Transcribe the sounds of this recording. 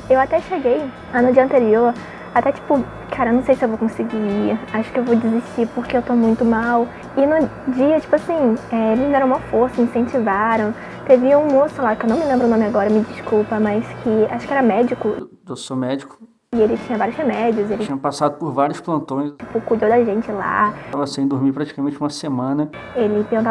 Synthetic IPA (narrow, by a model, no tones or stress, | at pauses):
ewat̪ɛʃeɡej | ɐ̃nʊd͡ʒiɐ̃nt̪eɾioɾ | at̪ɛt͡ʃi̥pʊ | kʰaɾɐenɐ̃w̃sejsɪewvowkõsiɡiaʃʊ̥kɪewvod͡ʒiziʃt͡ʃipʊɾkeewt̪omũj̃t̪ʊmaw | ɪnʊ | d͡ʒiɐt͡ʃi̥pʊasĩɛelɪzɛɾɐ̃w̃mɐfoɾsɐmĩsẽnt͡ʃivaɾɐ̃w̃ | t̪evɪũmosʊʊlakɪewnɐ̃w̃mɪlẽmbɾʊnõmɪaɡɔɾɐmɪd͡ʒiʃkuwpɐmɐskʰɪa̰ʃʊ̥kɪɛɾɐmɛd͡ʒikʊ | ewsomɛd͡ʒikʊ̥ | ɪelɪt͡ʃĩɲɐvaɾjʊz̥hemɛd͡ʒiʊzelɪĩɲɐpasad̪ʊpʊɾvaɾjʊsplɐ̃nt̪õj̃t͡ʃipʊkud̪owd̪ɐʒẽnt͡ʃɪla̰avɐsẽj̃d̪uɾmipɾat͡ʃi̥kamẽnt͡ʃɪũmɐsemɐ̃nɐelɪpeɾũt̪a